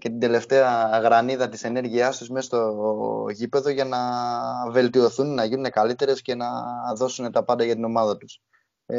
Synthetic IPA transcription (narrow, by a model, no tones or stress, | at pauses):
cet̪ind̪e̞le̞ft̪e̞ɐɣɾɐniðɐt̪ise̞ne̞ɾʝiɐst̪usmest̪o̞ʝipe̞ðo̞ʝɐnɐve̞lt̪io̞θunnɐʝinune̞kɐlit̪e̞ɾe̞sce̞nɐðo̞sune̞t̪ɐpɐnd̪ɐʝɐt̪ino̞mɐðɐt̪u̥s